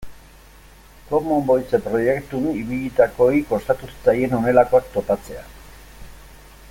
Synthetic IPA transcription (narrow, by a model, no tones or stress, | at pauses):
ko̞mombo̞jt͡sepɾo̞je̞kt̪uniβiʎit̪ako̞iko̞st̪at̪ust͡saje̞no̞ne̞lako̞ak̚t̪o̞pat͡se̞a̰